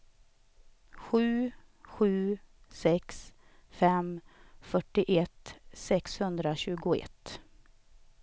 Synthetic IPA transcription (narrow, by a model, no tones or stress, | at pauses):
ɧʉ̟ːɧʉ̟ːsɛksfɛmfœʈːɪʔɛt̪sɛkshɵnd̪ɾaɕʉ̟ːɡʊɛ̰t̪ː